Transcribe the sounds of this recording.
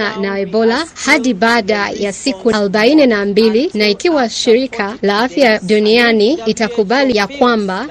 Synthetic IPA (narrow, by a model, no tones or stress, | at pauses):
anaɛbɔlahaɗibaɗajasikualɔɓaininambilinaikiwaʃiɾikʰalaafjaɗunianiitakuɓalijakwamba